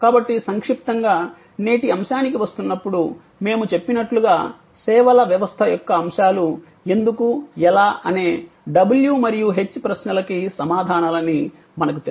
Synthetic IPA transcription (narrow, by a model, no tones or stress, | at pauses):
kaːbɐʈːisɐŋkʂip̚t̪ɐŋɡaː | ne̞ːʈiɐmʃaːnik̬iʋɐst̪unːɐpːuɽu | me̞ːmut͡ʃe̞pːinɐʈluɡaː | sɛːʋɐlɐʋjɐʋɐst̪ʰɐjɔkːɐːmʂaːlu | e̞nd̪ukuɛlaːʔɐne̞ː | ɖɐbuljumɐɾijuɦe̞t͡ʃːpɾɐsnɐlɐkisɐmaːd̪ʱaːnɐlɐnːi | mɐnɐk̬ut̪e